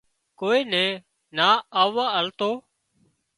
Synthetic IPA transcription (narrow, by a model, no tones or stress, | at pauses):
koːiːnɛ̃ː | naːaːʋaːəlt̪oː